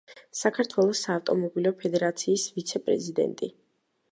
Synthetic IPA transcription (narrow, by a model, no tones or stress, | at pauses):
sakʰaɾt̪ʰwɛlˠɔsaːft̪ʼɔmɔbilɔpʰɛd̪ɛɾat̪sʰiːsvit̪sʰɛpʼɾɛ̰zid̪ɛ̰nt̪ʼi